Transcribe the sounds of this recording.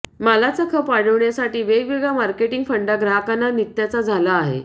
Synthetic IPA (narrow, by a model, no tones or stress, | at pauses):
malat͡sakʰəpaɽəʋɳjasaʈiːʋeɡʋiɡɭamaɾkeʈiŋɡfəɳɖaɡɾaɦkanːanit̪jat͡sad͡zʱalaːɦḛ